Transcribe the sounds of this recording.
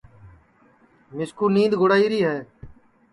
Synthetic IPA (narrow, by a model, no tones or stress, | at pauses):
mɪskuːnĩːnd̪ɡʱoɽaːiːɾiːɦɛː